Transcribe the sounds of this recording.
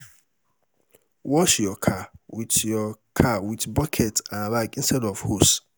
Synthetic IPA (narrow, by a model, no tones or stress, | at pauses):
wɔʃjɔkʰawitjɔkʰawitbɔkʰɛtãnbaɪkĩn̩stɛdɔfhos